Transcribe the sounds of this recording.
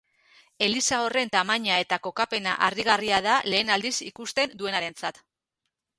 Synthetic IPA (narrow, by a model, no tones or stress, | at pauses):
e̞lisao̞re̞nt̪amaɲae̞t̪ako̞kape̞na̰ʔariɣ̞ariaðale̞ːnald̪isikust̪e̞nd̪ue̞naɾe̞nt͡sat̪